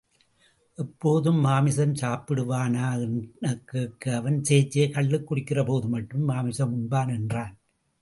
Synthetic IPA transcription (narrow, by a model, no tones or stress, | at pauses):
ʔɛpːoːðɯmːaːmɪsɐmsaːpɪɽɯʋaːnaːɛnnɐkːɯkːɯɐʋɐnseːt͡ʃːeːkɐɭːɯkːʊɽɪkːɪrɐpoːðɯmɐʈːɯmːaːmɪsɐmʊɳbaːnɛndraːn